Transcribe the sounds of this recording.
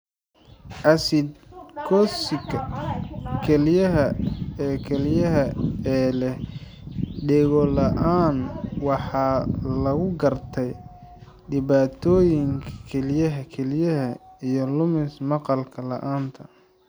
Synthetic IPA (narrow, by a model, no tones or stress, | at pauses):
ʔɐsɪd̪̚kʰɔːsɪɡɐ | kʰɛlɪjɐɦɐɛːkʰɛlɪjɐɦɐɛːlɛ | ɖɛɣɔlɐʔaːnwɑħɑːlɐɣʊɡɐrt̪ʰɛj | ɖɪβaːt̪ʰɔːjɪŋkʰɐ̥kʰɛlijɐɦɐkʰɛlɪjɐɦɐijɔlʊmɪsmɑqɑlkʰɐlɐ̰ʔaːnt̪ʰɐ